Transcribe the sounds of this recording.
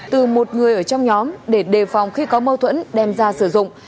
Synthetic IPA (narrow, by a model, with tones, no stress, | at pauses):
t̪ɨ˨˩mo˨˩t̚ŋɨ˨˩əjʔəː˧˩t͡ɕɔ˧wŋ͡mɲɔ˨˦mɗe˧˩ɗe˨˩fa˨˩wŋ͡mxi˧kɔ˨˦mə˧wt̪ʰwə̰˧˥nɗɛ˨˩mzaː˧sɨ˧˩zʊ̰˧˨ŋ͡m